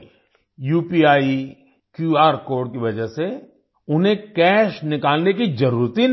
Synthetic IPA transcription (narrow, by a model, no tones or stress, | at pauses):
juːpiaːi | kjuːaːɾkoːɾɖkiʋɐd͡ʒəɦse | ʊnɦẽkɛːʃnɪkaːlnekid͡ʒɐɾuːɾt̪i